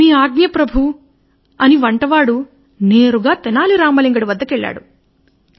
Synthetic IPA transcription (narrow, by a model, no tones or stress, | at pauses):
miːaːɡnjɐpɾɐbʱu | ɐniʋɐɳʈɐʋaːɽu | neːɾuɡaːt̪ɛnaːliɾaːmɐliŋɡɐɽuʋɐd̪ːɐkɛɭːa̰ːɽu